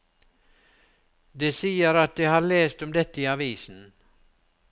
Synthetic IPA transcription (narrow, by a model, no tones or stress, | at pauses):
d̪eːsiːəɾɑt̪̚d̪eːhɑːɾleːst̪ɔmd̪ɛt̪ːəiːɑʋiːsn̩